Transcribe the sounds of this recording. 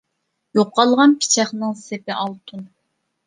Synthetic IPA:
joqːɑlˠʁɑnpʰi̥t͡ʃʰɛχnɨŋsepɪʔɑlˠt̪ʰun

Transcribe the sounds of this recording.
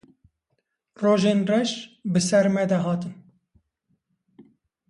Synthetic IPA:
roːʒeːnrɛʃbɨsɛɾmɛd̪ɛɦɑːt̪ɨn

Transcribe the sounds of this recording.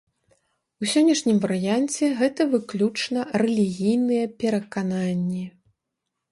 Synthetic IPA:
usʲɔnʲːɐʂnʲimvɐɾɨjant͡sʲɛɣɛt̪ɐvɨklʲut͡ʂnɐrɛlʲiɣʲijnɨjɐpʲɛɾɐkananʲːi

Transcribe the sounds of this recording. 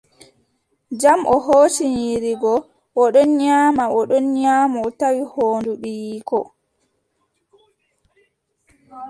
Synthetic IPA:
d͡ʒamʔɔɦoːt͡ʃiɲiɾiɡɔ | ʔɔɗɔnɲaːmaɔɗɔnɲaːmaːtawihoːnduɗiːkɔ

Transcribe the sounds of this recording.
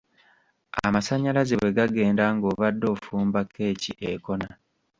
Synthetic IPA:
a̰masaɲːalazeβwe̞ɡaɡe̞ːndaŋɡo̞ːβadːo̞ːfuːmbakʰːe̞ːciʔeko̞na

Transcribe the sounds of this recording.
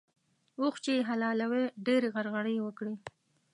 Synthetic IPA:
uxt͡ʃeɦalɑlaweɖeɾeɣaɾɣaɽəjwəkɽi

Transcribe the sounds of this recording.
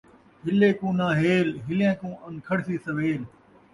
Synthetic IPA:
ɦɪleːkũːnaːɦeːlɦɪljãːkũːʔɐ̃nkʰɐɽsiːsəʋeːl

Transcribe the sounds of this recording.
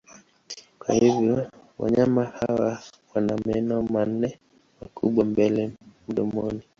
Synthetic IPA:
kwa̰hivjɔ | wa̰ɲamahawawanamɛnɔman̩ːɛ | makuɓwambɛlɛmuɗɔmɔni

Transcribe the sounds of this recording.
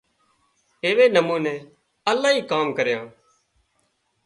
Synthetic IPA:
eːʋeːnəmuːneː | əlaːɦiːkaːmkəɾjãː

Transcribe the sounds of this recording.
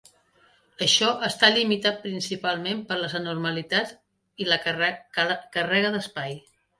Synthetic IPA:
əʃɔʔəst̪aʎimit̪at̪̚pɾinsipalˠmempəɾləzənurməlit̪at | ilə | kərɛɣəðəspaj

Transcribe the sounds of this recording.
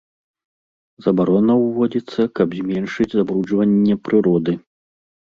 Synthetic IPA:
z̥ɐbaɾɔnɐwvɔd͡zʲit̪sːɐkɐbzʲmʲɛnʂɨd͡zʲzabɾud͡ʐvɐnʲːɛpɾɨɾɔd̪ɨ

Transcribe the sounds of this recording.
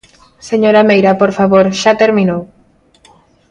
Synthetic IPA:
seɲoɾamejɾapoɾfaβoɾʃat̪eɾmĩnow

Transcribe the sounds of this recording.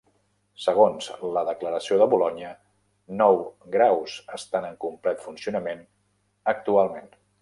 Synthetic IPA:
səɣ̞onzləðəkləɾəsioðəβulɔɲiə | nɔwɡɾawz̥əst̪anəŋkumplɛt̪funsiunəmen | ək̚t̪ualˠmen

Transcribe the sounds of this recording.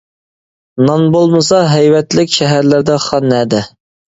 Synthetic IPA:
nɑnbolˠmɨsɑɦɛjwɛt̪lɪkʲʃɛɦæɾlɪɾd̪ɛχɑnːɛd̪ɪ

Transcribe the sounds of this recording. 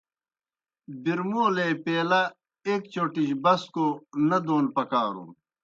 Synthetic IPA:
biɾmoːlepeːlɐ | eːkt͡ɕoːʈiɕbɐskonɐd̪oːnpɐkaːɾṵː

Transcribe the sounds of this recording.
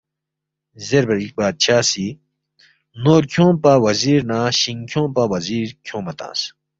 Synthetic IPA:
zeɾbɐɾik̚baːd̪̚t͡ɕʰaːsi | noːɾkʰõːpaːwɐziːɾnãːɕiŋkʰõːpawɐziːɾkʰõːmɐt̪ã̰ːs

